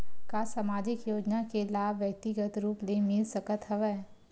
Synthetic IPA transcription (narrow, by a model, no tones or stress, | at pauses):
kasamaːd͡ʒɪkjoːd͡ʒnakelaːbʋjək̚t̪ɪɡət̪ɾuːplemɪlsɐkət̪ɦɐʋɛː